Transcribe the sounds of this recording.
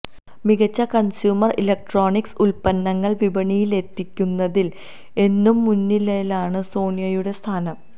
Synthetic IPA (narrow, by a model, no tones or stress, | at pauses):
miɣɐt͡ɕːɐkɐnsjuːmɐrilɐk̚ʈro̞ːɳiksulpɐnːɐŋːɐɭʋibɐɳijile̞t̪ːikʲːunːɐðil | e̞nːumːunːilelaːɳɨso̞ːɳjɐjuɽe̞st̪ʰaːnɐm